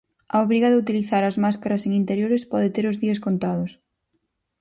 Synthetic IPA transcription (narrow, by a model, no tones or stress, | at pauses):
ɐoβɾiɣɐðɪut̪iliθaɾɐzmaskaɾɐseŋint̪eɾjoɾɪspɔðɪt̪eɾʊzðiɐskont̪aðʊs